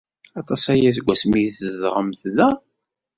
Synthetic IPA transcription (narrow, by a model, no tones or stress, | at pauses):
ɑt̪ˤɑsæjæsɡʷːæsmiθəðʁəmθðæ